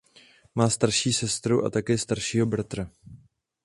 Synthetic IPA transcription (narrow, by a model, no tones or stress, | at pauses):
maːst̪aɾʃiːsɛst̪ɾuʔa̰t̪akɛːst̪aɾʃiːɦo̞bɾat̪ɾa